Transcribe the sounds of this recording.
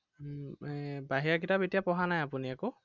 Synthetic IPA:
baɦiɹakitabetijapɔɦanajapuniako

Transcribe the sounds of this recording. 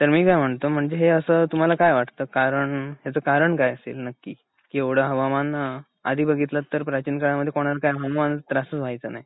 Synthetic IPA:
t̪əɾmiːkajm̤əɳt̪om̤əɳd͡zeɦeəsət̪um̤alakajʋaʈt̪əːkaɾəɳɦjat͡səːkaɾəɳkajəsḛlnəkːiː | kiːoɽəɦəʋaman | a̰d̪ʱiːbəɡʱit̪lat̪ːəɾpɾat͡ɕinkaɭaməd̪ʱjekoɽ̃alakajɦammanət̪əɾasət͡sbʱajt͡sənaj

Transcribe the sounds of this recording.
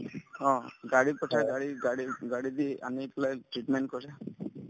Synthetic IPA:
ɔ̃ɡaɽipɔʈʰaɡaɽiɡaɽiɡaɽid̪ia̰nikɔlajʈɾiʈmenʈkɔsa

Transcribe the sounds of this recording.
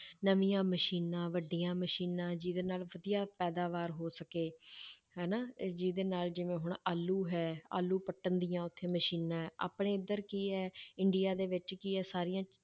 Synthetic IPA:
nəʋijãːməʃiːnãːʋəɖːijãːməʃiːnãːd͡ʒiːd̪eːnaːlʋəd̪ijaːpɛːd̪aːʋaːɾɦoːsəkeː | ɦɛːnaːd͡ʒiːd̪eːnaːld͡ʒɪʋẽːɦʊɳaːlːuːɦɛːa̰ːlːuːpəʈːənd̪ijãːʊt̪ʰːeːməʃiːnãːɦɛːa̰ːpɳeːɪd̪əɾkiːɦɛːɪɳɖijaːd̪eːʋɪt͡ʃkiːɛːsaːɾijãː

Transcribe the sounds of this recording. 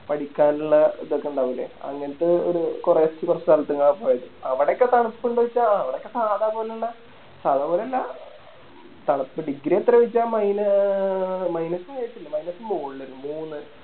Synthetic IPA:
pɐɽikʲːaːnuɭːɐiðokːeɳɖaːʋɐlḛɐ̰ŋːɐnɐt̪ːɨo̰ɾukureetːipɐrsɐlt̪ːuŋːaɳpoːjɐðuɐʋiɽeokːet̪ɐɳɐpːkːoɳɖuʋɐit͡ɕːaːɐʋiɽeokːesaːðaːpoːlɭːɐ | saːðaːpoːlɐlːɐ | t̪ɐɳɐpːɨɖiɡɾijɐt̪ːɐɾɐʋɐt͡ɕːaːmɐjnɐ | mɐjnɐsajiʈːilːɐmɐjnɐsɨmuːlːoɾumuːnːɐɾu

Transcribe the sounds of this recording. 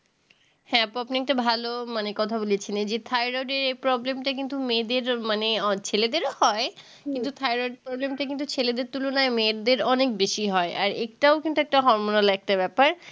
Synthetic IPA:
hɛ̃apapniɛk̚ʈabʱalomanekɔt̪ʰaboliet͡ɕʰinend͡ʑet̪ʰajɾoɖeɾejpɾɔblemʈak̬int̪umed̪eɾmanet͡ɕʰeled̪eɾohɔe | kint̪ut̪ʰajɾoɖ̚pɾɔblemʈakint̪ut͡ɕʰeled̪eɾt̪ulonaemeɾd̪eɾɔnek̚beʃiɦɔeʔaɾek̚ʈaokint̪uɛk̚ʈaɦɔɾmonalɛk̚ʈabɛpaɾ

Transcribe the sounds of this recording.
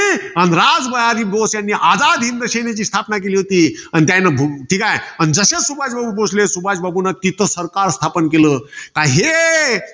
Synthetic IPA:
ɐnɾad͡zbəjad̪ibʱosjanːiʔaːd͡zad̪ʱɦind̪əɕenet͡ɕiːst̪ʰapnak̬eliɦot̪iːant̪jãnabʱʈʰikaɦeənd͡zəsesubʱad͡ʒbʱabubosʰlesubʱad͡ʒbabunak̪it̪əsəɾkaɾst̪ʰapənkelək̪aɦe

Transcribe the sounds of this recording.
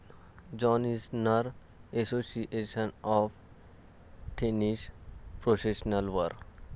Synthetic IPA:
d͡ʒɔːnisnəɾ | esosiʔeʃənɔf | ʈʰeniʃpɾofeʃnəlʋəɾ

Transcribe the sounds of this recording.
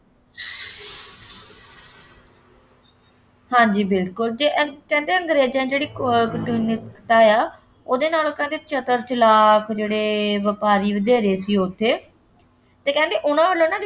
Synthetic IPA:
hãːɲd͡ʒiːbɪlkʊld͡ʒeːʔkɛ̃ːnd̪eːə̃ŋɡɾeːd͡ʒãːd͡ʒeːɽiːkəʈuːnɪt̪aːjaː | oːd̪eːnaːloːkɛ̃ːnd̪eːt͡ʃət̪əɾt͡ʃəlaːkd͡ʒeːɽeːʋəpaːɾiːʋəd̪eːɾeːsiːoːt̪ʰːeː | t̪eːkɛ̃ːnd̪eːʔʊnãːʋəlːnãː

